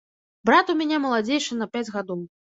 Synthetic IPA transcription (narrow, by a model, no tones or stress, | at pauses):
bɾat̪umʲanʲɛmɐlˠad͡zʲejʂɨnɐpʲad͡zʲɣad̪ɔw